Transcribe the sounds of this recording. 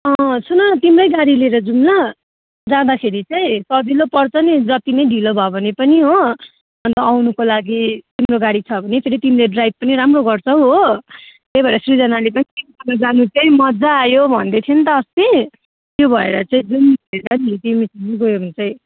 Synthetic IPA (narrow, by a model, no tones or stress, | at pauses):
ʌsunʌt̪imrʌjɡaɽileɾʌd͡zumlʌ | d͡zãd̪akʰeɾit͡saĩsʌd͡zilopʌrt͡sʰʌnid͡zʌt̪inʌjɖʱilobʱʌbʱʌnepʌniɦo | ʌnt̪ʌawnukolaɡit̪imroɡaɽit͡sʰʌbʱʌnepʰeɾit̪imileɖrajb̚pʌniɾamroɡʌrt͡sʰʌw̃ɦot̪ebʱʌeɾʌsrid͡zʌnalepʌnikisʌnʌd͡zanut͡saĩmʌd͡zaːjobʱʌnd̪et̪ʰjent̪ʌst̪i | t̪jobʱʌḛɾʌt͡saĩd͡zunieɾʌnit̪imisid͡ziɡojoɾunt͡saĩ